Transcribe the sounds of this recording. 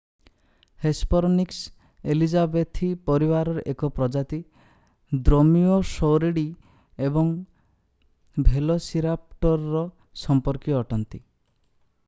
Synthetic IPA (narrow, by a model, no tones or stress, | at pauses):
hespɔɾɔniks | elid͡ʒabet̪ʰipɔɾibaɾɔɾʔekɔpɾɔd͡ʒat̪i | d̪ɾomiosowɾeɽi | ebɔŋ | bʱelɔsiɾap̚ʈɔɾːɔ | sɔmpɔɾkiɔʈɔnt̪i